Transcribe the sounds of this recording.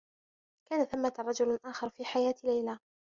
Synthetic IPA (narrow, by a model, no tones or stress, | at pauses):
kaːnaθamːat̪ˤːɑd͡ʒʊlʔaːxɑɾˤfiːħajaːt̪lajlaː